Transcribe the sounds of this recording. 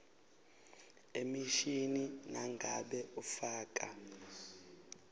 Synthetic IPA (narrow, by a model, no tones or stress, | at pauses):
emiʃininaŋɡʱaɓɛufaːk̬ʼa̰